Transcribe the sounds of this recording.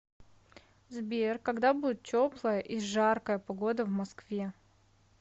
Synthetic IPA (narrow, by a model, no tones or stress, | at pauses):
zbʲerkɐɡd̪abudʲɪt̪̚tʲoplˠəjəʔiʐarkəjəpɐɡo̞d̪əvmɐskvʲe